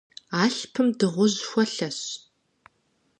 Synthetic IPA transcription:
aːɬpʰɨmdɨʁʷʊʑxʷɔɬɐɕ

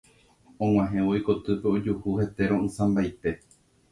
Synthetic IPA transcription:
õŋ̃ʷwãɦẽʋoiko̞t̪ɨpe̞od͡ʒuhuhe̞t̪e̞ɾõɨ̃sãmbajt̪e̞

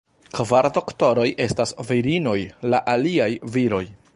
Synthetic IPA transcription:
kvaɾdo̞kto̞ɾo̞jʔe̞stasviɾino̞jlaʔaliajviɾo̞j

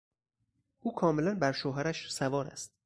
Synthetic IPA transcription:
ʔuːkʰɒːme̞lænbæɾʃoːɦæɾæʃsævɒːɾæ̰st̪

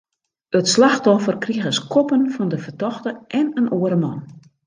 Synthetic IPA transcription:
ətslaxtɔfərkriəɣəskʰɔpənfɔndəfərtɔxtəʔɛnənʔoəɾəmɔn

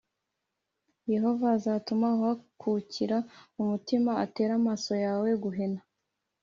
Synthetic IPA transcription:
je̞ɦo̞vazaːtumauhakʰuciɾaumutimaate̞ːɾamaso̞jaːwe̞ɡuɦena

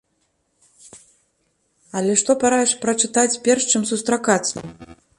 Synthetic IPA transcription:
ɐlʲɛʂt̪ɔpaɾajɛʂpɾɐt͡ʂɨt̪at͡sʲpʲɛrʂt͡ʂɨmsust̪ɾakat̪sɐ̰m

